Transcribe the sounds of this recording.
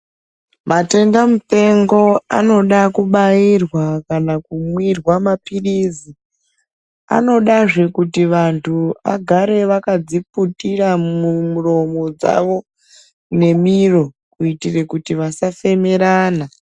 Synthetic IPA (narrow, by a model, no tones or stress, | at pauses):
mate̞ndamute̞ŋɡo̞a̰no̞ɗakuɓairwakanakumwirwamapirizi | a̰no̞ɗaʐe̞kutiʋantʰua̰ɡʱaɾe̞ʋakad͡ziputiɾamumuro̞mo̞d͡za̰ʋo̞ | ne̞miro̞ | kuitire̞kutiʋasafe̞me̞ɾaːna